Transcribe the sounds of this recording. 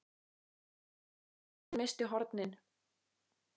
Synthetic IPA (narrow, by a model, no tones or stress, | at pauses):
mɪst̪ɪɦɔɾt̪nɪn